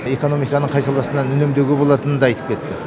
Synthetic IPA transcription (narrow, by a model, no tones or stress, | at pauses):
e̞ko̞no̞mijkɑnəɴqʰɑjsɑlˠd̪ɑsənɑnʏne̞md̪eɡʲebo̞lˠɑt̪ənənd̪ɑɑjt̪ə̥p̚kʰʲe̞t̪ːɪ